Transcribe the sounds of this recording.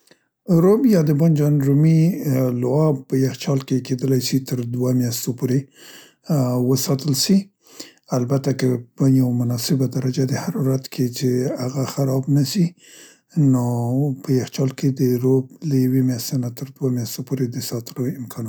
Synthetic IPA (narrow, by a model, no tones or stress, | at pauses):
ɾobjɑd̪əband͡ʒɑnɾumilʊɑbpəjaxt͡ʃɑlkeked̪əlajsit̪əɾd̪wamjɑst̪opoɾe | wəsɑt̪əlʃi | albat̪akəbaɲawmʊnɑsɪbad̪aɾad͡ʒad̪əhaɾɑɾat̪kʰet͡ʃeaɣaxaɾɑbnasi | nopəjaxt͡ʃɑlked̪əɾoblajawemjast̪enat̪əɾd̪wamjɑst̪opoɾed̪əsɑt̪əlowɪmkʰɑn